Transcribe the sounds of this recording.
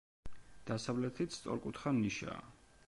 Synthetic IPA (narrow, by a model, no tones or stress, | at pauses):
d̪̥asavlɛt̪ʰit̪st̪sʼɔ̰ɾkʼut̪ʰχaniʃa̰ː